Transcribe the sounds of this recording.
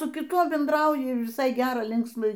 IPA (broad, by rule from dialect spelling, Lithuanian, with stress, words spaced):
sʊ kʲɪˈtuɔ bʲɛndˈrɐʊjɪ ʋʲɪˈsɐɪ ˈɡʲæːrɐ ˈlʲɪŋksmɐ